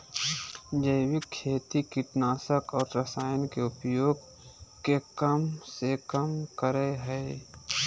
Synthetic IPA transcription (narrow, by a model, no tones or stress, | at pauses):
d͡ʒəɪwɪkʰːeːt̪ikiʈnaːsəkɔːɾɾəsaːjənkeʊpjoːɡ | kekəmsekəmkəɾəɦɛː